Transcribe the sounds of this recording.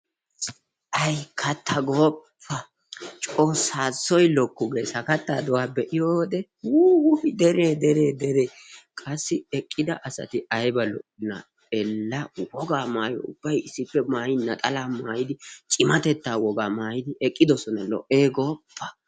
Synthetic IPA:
ʔɐjkʰɐt̪ːɐɡoːpʰːɐ | t͡ʃʼo̞ːsaːt͡sːɔjlɔkːʊɡe̞ːsɐkɐt̪ːaːd̪ɔwaːbɛʔɪjod̪ɛwuːhɪd̪ɛɾeːd̪ɛɾe̞ːd̪ɛɾe̞ː | kʼɐsːɪɛkʼːɪd̪ɐʔɐsɐ̰t̪ɪɐjbɐlɔ̰ʔɪnɐ̰ | ɛlːɐwɔɡaːmaːjɔ̰ʊ̰b̥ːɐjɪsːɪpːɛmaːjɪnːɐt̪ʼɐlaːmaːjɪd̪ɪt͡ʃʼɪmɐt̪ɛt̪ːaːwɔɡaːmaːjɪd̪ɪʔɛkʼːɪd̪ɔsɔnɐlɔ̰ʔeːɡoːpʰːɐ

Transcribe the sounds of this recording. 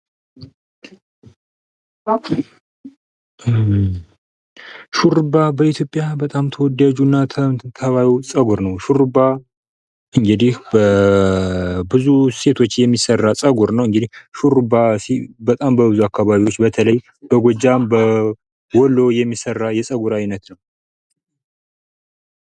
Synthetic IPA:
ʃuɾbabəit̪ʰjo̞pʼjabət̪ʼamt̪ʰəwɔd̪ad͡ʒunːat̪ʰət̪ʰəβajsʼəɡuɾnəwʃuɾba | ʔɨŋɡɨd̪ihbə | bɨzuse̞t̪ʰo̞t͡ʃːjɛmːisərːasʼəɡuɾnəwɨŋɡɨd̪ihʃuɾbasibət̪ʼambəβɨzuakʰːaβaβiwo̞t͡ʃːbət̪ʰələj | b̥əɡʷod͡ʒambə | wɔlo̞jɛmːisərːajɛsʼəɡuɾajnət̪nəw

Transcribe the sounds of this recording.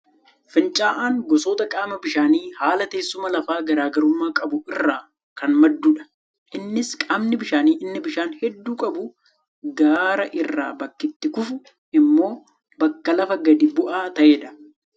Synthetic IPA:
fɪnt͡ʃʼaːʔaːŋɡɔsoːt̪ɐkʼaːmɐbɪʃaːniːhaːlɐt̪e̞ːsːʊmɐlɐfaːɡɐɾaːɡɐɾʊmːaːkʼɐbʊɪrːaː | kɐnmɐd̪ːuːᶑɐ̥ | ʔɪnːɪskʼaːmnɪbɪʃaːniːʔɪnːɪbɪʃaːnhɛd̪ːuːkʼɐbʊ | ɡaːɾɐʔɪrːa̰ːbɐkːɪt̪ːɪkʊfʊ | ɪmːo̞ː | bɐkːɐlɐfɐɡɐd̪ɪbʊʔaːt̪ɐʔeːᶑɐ̥

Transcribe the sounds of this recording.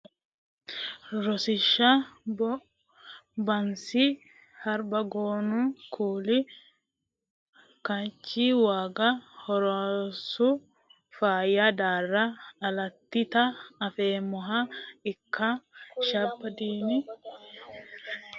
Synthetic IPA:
ɾɔsɪʃːɐ | bɐnsɪ | hɐɾbɐɡoːnukʰuːlɪ | kɐt͡ʃːiwaːɡɐhɔɾosʊ | faːjɐd̪aːrːɐːlɐt̪ːɪt̪ɐɐfeːmɔɦɐɪkːɐʃɐbːɐd̪iːnɪ

